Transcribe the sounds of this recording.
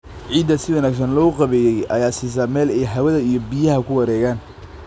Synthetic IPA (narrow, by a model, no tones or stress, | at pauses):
ʕiːd̪ɐsɪwɐnaːks̬ɐnlɔːqɑβɛːjɛjɐ̰jaːsiːs̬amɛːlɛjɦɐwɐðɐijɔbijɐɦɐkʰʊwɐɾɛːɣaːn